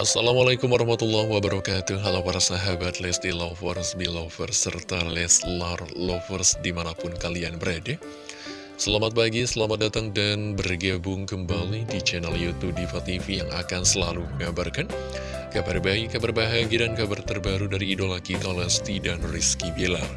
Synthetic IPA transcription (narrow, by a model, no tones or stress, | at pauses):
ʔasːalamalakʊmwaɾɑhmat̪ulːahwabaɾakat̪uɦalapaɾasaɦabat̪lɛst̪ilafɔrsbilofərsərt̪alɛslarlofərsdimanapʊnkalianbəɾada | səlamat̪̚paɡisəlamat̪̚dat̪aŋdanbərɡabʊŋkəmbalidit͡ʃɛnaljut̪ub̚difat̪ifijaŋa̰kansəlaluɡabarkan | kabarbaikabarbaɦaɡidankabart̪ərbaɾudaɾiːdolakit̪aolɛst̪idanriskibilar